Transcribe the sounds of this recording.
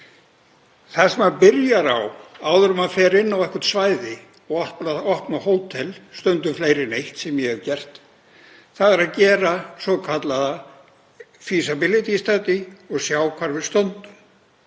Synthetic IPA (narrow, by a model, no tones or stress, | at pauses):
θasɛmaðpɪɾjaɾawaːwðʏɾʏmaðfɛːɾɪnːawɛhkʏ̥ɾ̥t̪svaːjðɪ | ɔɣɔhpnaðɔhpnahoːwt̪ʰɛlst̪œnt̪ʏfleːjɾɪnejht̪sɛmjɛhɛvcɛr̥t̪ | θaðɛɾaðcɛːɾasɔkʰat̪laða | fisabɪlɪt̪ist̪at̪ɪɔɣsjaːwkʰvaɾvɪðst̪œnt̪ʏm